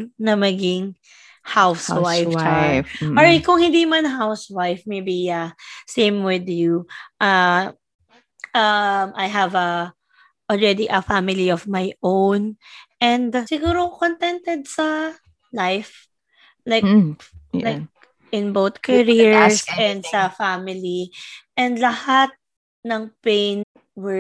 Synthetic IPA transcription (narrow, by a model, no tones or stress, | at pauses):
nɐmɐɡɪŋ | hawswajf | ɔɹkʊŋhɪ̃nd̪iːmɐnɦawswajfmejbiɐsẽɪmwɪðjuʔɐ | ʔɐmʔajɦɐvɐ | ʔɔlɹɛd̪iʔɐfamɪliɔvmajʔownʔɛ̃nd̪sɪɡuːɾokont̪ɛnt̪ɛd̪̚sɐ | lajf | lajklajk̚ | ʔɪ̃nboʊt̪kɐɹiɹsɛ̃nd̪sɐfamɪliʔɛ̃nd̪lɐhat̪̚ | nɐŋpẽjn | wɛ